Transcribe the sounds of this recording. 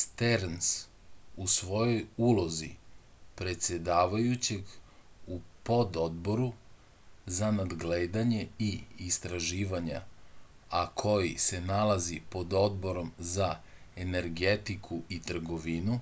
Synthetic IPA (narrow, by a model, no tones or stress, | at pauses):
st̪eɾns | usʋo̞jo̞julˠo̞zḭ | pɾe̞t̪sʲje̞d̪aːʋajut͡ɕe̞ɡupo̞d̪o̞d̪bo̞ɾu | zanad̪ɡleːd̪aɲe̞iːst̪ɾaʒiːʋaɲa̰ | akʰo̞jḭse̞nalazipo̞d̪o̞d̪̚bo̞ɾo̞mzaene̞ɾɡet̪ikʰuit̪r̩ɡo̞ʋinu